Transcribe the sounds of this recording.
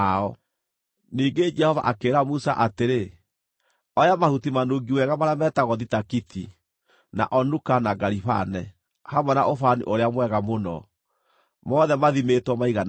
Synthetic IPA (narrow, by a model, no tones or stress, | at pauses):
aɔ | niːɡed͡ʒɛhɔva̰ʔakeːɾamusa̰ʔateɾe | ɔjamahutimanuːɡiwɛɣamaɾamɛːtaɣɔðitakiti | na̰ʔɔnukanaɡaɾiβa̰nɛ | hamwɛna̰ʔofanḭʔoɾeamwɛɣamonɔ̰ | mɔðɛmaðimetwɔmaiɣan